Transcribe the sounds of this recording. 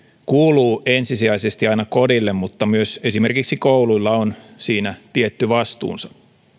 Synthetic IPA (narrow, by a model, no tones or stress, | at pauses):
kuːluːʔensisiæisest̪iɑinɑkodilːemmut̪ːɑmyøse̞sime̞rkiksikouluilːɑonsiːnæt̪iet̪ːyʋɑst̪ṵːnsɑ̥